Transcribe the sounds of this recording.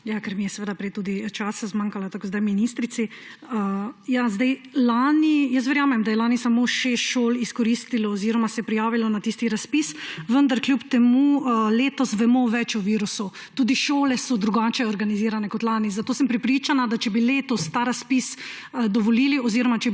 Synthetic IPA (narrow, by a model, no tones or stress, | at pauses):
jakɛɾmijɛsɛʋeːd̪apɾɛjt̪uːd̪it͡ʃaːsazmaːŋkalat̪akozd̪ajminist̪ɾit̪siəjazd̪ajlanijəs̬t̪̬ʋɛɾjaːmɛmd̪ajɛlaːnisamoʃɛʃoːliskɔɾist̪ilaɔziːɾɔmasɛpɾijaːʋilanat̪ist̪iɾaspisʋənd̪aɾkljupt̪ɛmuleːt̪ɔsʋɛmoʋɛt͡ʃɔʋiːɾusu | t̪uːd̪iʃoːlɛsɔd̪ɾuɡat͡ʃɛɔɾɡaniziːɾanɛkɔt̪laːnizat̪oːsəmpɾɛpɾiːt͡ʃanad̪at͡ʃɛbileːt̪ɔst̪aɾaspis | d̪ɔʋɔliːliɔziɾɔmat͡ʃɛ